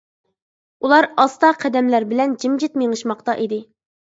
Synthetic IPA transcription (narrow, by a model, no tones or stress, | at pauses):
ulˠɑɾɑst̪ɑqʰæd̪ɛmlæɾbɪlɛnd͡ʒimd͡ʒɪt̪meŋɨʃmɑqt̪ɑʔid̪ɪ